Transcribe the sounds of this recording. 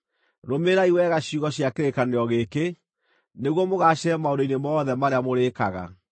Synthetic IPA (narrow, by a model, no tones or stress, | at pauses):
ɾomeɾaiwɛɣaɕuɣɔɕjakeɾekaneɔɣeke | neɣwɔmoɣaɕɛɛmaodoinemɔːðɛmaɾeamoɾekaɣa̰